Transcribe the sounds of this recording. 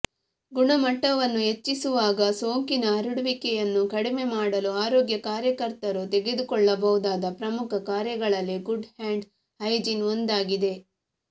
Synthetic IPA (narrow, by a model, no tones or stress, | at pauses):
ɡuɳɐmɐʈːɐʋɐnːuɦe̞t͡ʃːisuʋaːɡɐsoːŋkinɐɐɾuɽʋikɛjɐnːukɐɽime̞maːɽɐluaːɾoːɡjɐkaːɾjɐkɐɾt̪ɐɾut̪eɡe̞d̪ukɔɭːɐbɐʋud̪aːd̪ɐpɾɐmukʰɐkaːɾjɐɡɐɭɐlːiɡuɖhaːɳɖ | hɐjd͡ʒinond̪aːɡid̪e̞